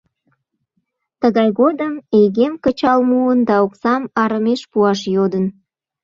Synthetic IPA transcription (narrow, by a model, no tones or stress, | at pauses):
t̪əɣɑjɣod̪əmejɣemkət͡ɕɑlmuənd̪ɑoksɑmɑɾəmeʃpuɑʃjod̪ən